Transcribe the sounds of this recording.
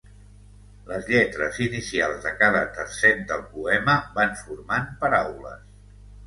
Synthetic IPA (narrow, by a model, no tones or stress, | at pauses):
ləzʎɛt̪ɾəzinisialˠzðəkaðət̪ərsɛnd̪əlˠpuɛməβanfuɾmampəɾawlə̰s